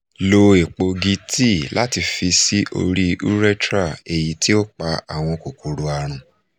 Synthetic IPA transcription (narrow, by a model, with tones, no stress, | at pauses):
lo˧e˨k͡po˧ɡi˧˦ti˦˨la˦ti˧fi˧si˦ʔo̰˧ɾi˦ṵ˦ɾɛ˦tɾa˦˨e˨ji˨ti˦o˦k͡pa˧a˦˨w̃ɔ̃˧ko˨ku˨ɾo˨a˨ɾ̃ũ˨